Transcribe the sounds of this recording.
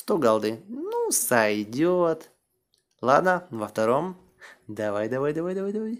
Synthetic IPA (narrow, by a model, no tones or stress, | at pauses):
st̪oɡalˠd̪ɨnusajd̪ʲot̪ | lˠad̪nɐvɐft̪ɐɾom | d̪ɐvajd̪ɐvajd̪ɐvajd̪ɐvajd̪ɐvaj